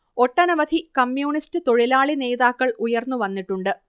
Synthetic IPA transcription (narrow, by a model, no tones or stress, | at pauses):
o̞ʈːɐnɐʋɐd̪ʱikɐmjuːɳistɨt̪o̞ɻilaːɭine̞ːðaːkːɐɭujɐrnːuʋɐnːiʈːuɳɖɨ